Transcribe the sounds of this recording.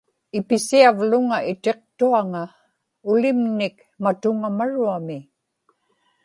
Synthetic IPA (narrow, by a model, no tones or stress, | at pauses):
ɪpɪsiavlʊŋaʔɪt̪e̞q̚t̪uaŋa | ʊlɪmnɪk | mat̪ʊŋamaɻuamɪ